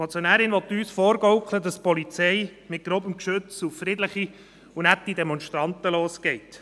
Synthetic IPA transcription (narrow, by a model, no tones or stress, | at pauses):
ɔt͡sjɔnæːɾɪnʋɔt̪ːyːsfɔːɾɡɔwklədɑspɔlit͡sɛɪmɪt̚ɡ̥ɾoːbəmkʃɵt͡sufrɪdləχi | unætːidɛmɔnʃtɾɑnt̪əloːsɡ̥ɛɪt